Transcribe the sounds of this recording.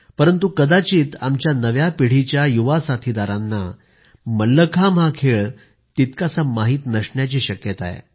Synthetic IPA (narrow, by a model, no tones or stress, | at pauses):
pəɾənt̪ukəd̪at͡ɕiːt̪amt͡ɕjanəʋjapiɽ̤it͡ɕjajuʋasat̪ʰid̪aɾanːa | məlːəkʰamɦakʰeɭ | t̪it̪kasamaɦiːt̪nəʂʈɳjat͡ɕiːɕəkjət̪a̰ḛ